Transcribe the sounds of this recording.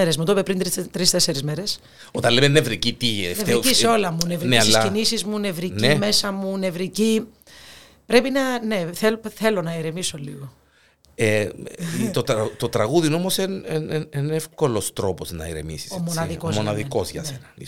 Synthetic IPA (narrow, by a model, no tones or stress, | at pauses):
eɾezmut̪opepɾint̪ɾt̪ɾist̪ese̞ɾizmeɾe̞s | o̞t̪ɐnlemenevɾicit̪ivt̪eiciseo̞lɐmunevɾinelsɐinisizmune̞vɾineme̞sɐmune̞vɾici | pɾe̞pinɐne̞θelθe̞lo̞nɐiɾemiso̞liɣo | e | t̪ot̪t̪ot̪ɾɐɣuðinomoseneenefko̞lo̞st̪ɾo̞poznɐ̰ḭɾḛmḭsi̥somonɐðikomonɐðiko̞zʝɐ̰senɐi